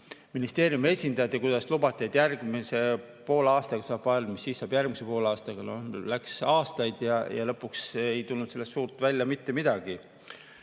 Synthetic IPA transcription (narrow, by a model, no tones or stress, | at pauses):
minist̪e̞ːɾjume̞sʲind̪̥ɑjɑt̪ːˑekujd̪̥ɑslubɑt̪ʲːˑiet̪ːˑjærɡ̥mise̞ | po̞ːlɑːst̪ɑɡ̥ɑsɑːb̥vɑlmisːiːsːɑːb̥jærɡ̥mise̞po̞ːlɑːst̪ɑɡ̥ɑnolæksɑːst̪ɑjd̪̥jɑjɑ̰lɤ̞pːˑuksejt̪ulnud̪se̞lːest̪ːsuːrt̪ˑvælʲːjɑmit̪ːe̞mid̪̥ɑɡ̥i